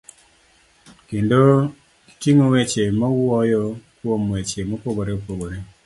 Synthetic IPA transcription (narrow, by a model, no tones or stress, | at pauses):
kendo | i̥tiŋowet͡ʃemɔwɔjɔkwomwet͡ʃemopoɡoɾeopoɡoɾe